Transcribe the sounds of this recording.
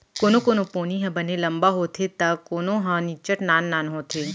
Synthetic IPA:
koːnõkoːnopoːniɦɐ̃bənelɐmbaɦoːt̪ʰet̪akoːnõɦãnit͡ʃəʈnaːnːaːnɦoːt̪ʰeː

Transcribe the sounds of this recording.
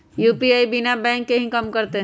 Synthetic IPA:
juːpiaːibinabɛ̃ːŋkːeɦĩkɐmkɐɾt̪eɦ

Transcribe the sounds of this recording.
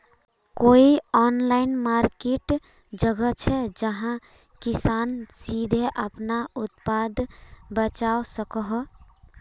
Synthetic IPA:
koiɔnlainmaɾkeʈ | d͡ʒəɡət͡ʃʰɛd͡ʒəɦã | kisansid̪ʱeʔəpnaut̪pad̪ʱbət͡ʃaosəkəɦ

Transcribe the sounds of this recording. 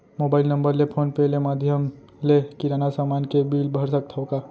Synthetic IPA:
moːbaːɪlnə̃mbəɾlepʰoːnpɛɦlemaːd̪ʱjəm | lekɪɾaːnasaːmaːnkebiːlbʱəɾsək̚t̪ʰɔokaː

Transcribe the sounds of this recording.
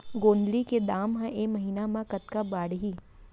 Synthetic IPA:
ɡõːnd̪liked̪aːmɦɛ̃ʔemɐɦiːnamãkɐt̪kabaːɽɦiː

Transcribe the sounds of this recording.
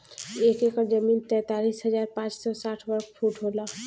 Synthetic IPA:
ekekəɾd͡ʒəmint̪ɛ̃t̪alisɦəd͡ʒaɾpãt͡ʃsɔsaʈʰbəɾkʰpʰuʈɦola

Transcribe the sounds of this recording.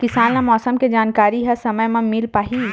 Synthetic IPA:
kɪsaːnːãmɔːsəmked͡ʒaːnkaːɾiɦɐsɐməjmɐ̃mɪlpaːɦi

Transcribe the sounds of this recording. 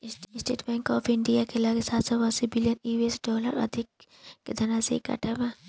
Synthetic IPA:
sɪsʈḛːʈbɛ̃ːŋkɔːpʰɪɳɖijakelaːɡesaːt̪sɐbaːsibɪlijəniːbiesɖɔːləɾɐ̰d̪ʱɪkː | ed̪ʱɐnasekɐ̰ʈʰemã

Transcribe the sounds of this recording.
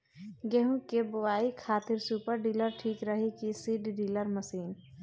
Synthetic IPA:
ɡɛɦũkebʊʋaːikʰaːt̪ɪɾsuːpəɾɖiːləɾʈʰiːkɾəɦikisiːɖɖiːləɾməsiːn

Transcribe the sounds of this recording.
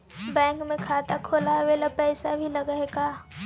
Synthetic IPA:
bɛ̃ːŋkmẽkʰaːt̪akʰoːlaʋeːlapɛːsabʱilɐɡəeɡaː

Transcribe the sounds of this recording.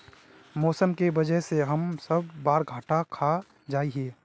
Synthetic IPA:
mɔːsəmkebɐd͡ʒəɦseɦɐmsɐbːaːɾɡʱaːʈakʰa | d͡ʒaːiɦɛː

